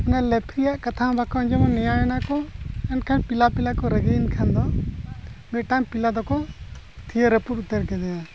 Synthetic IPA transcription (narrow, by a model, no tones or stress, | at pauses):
ɛnalɛpʰɾijaʔkat̪ʰabʱakɔɔɲd͡ʒɔmɔnɛjajɛnakɔɛnkʰanpilapilakɔɾəɡeinkʰand̪ɔ | mɛʈampilad̪ɔkɔ | t̪ʰijəɾəpuɾut̪əɾkɛd̪ɛja